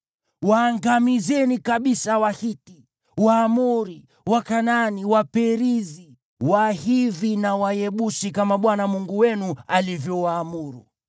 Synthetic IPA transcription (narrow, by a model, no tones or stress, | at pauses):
waːŋɡamizɛnikaɓisawahiti | waːmuɾi | wakananiwapɛɾizi | wahiðinawajɛɓusikamaɓwanamuŋɡuwɛnualivjɔwaːmuɾṵ